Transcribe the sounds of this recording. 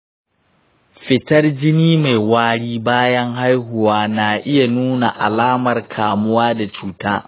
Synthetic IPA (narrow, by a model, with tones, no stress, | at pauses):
ɸɪ˨tɐ˦rd͡ʒɪ˦niː˦ma˨jwaː˦ɽiː˦baː˦jɐ˦ŋɦa˦jɦʊ˨waː˦naː˨ʔɪ˦ja˨nuː˦na˨ʔa˨laː˦mɐ˨rkʰaː˨mʊ˦waː˦da˨t͡ʃuː˦ta̰ː˦